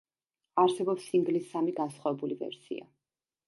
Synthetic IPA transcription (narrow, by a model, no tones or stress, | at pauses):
aɾsɛbɔpsimɡlisːamiɡansχwavɛbulivɛ̰ɾsḭa̰